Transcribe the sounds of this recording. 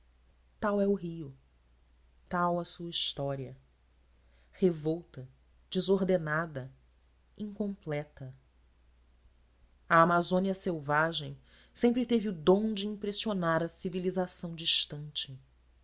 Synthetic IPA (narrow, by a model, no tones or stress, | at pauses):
t̪awɛʊɦiʊ | t̪awɐsuɐiʃt̪ɔɾiɐ | hevowt̪ɐ | d͡ʒizoɾd̪enad̪ɐ | ĩŋkõmplɛt̪ɐ | ɐamazõniɐsewvaʒẽj̃ | sẽmpɾɪt̪eviud̪õw̃d͡ʒɪĩpɾesionaɾɐsivilizasɐ̃w̃d͡ʒiʃt̪ɐ̃nt͡ʃɪ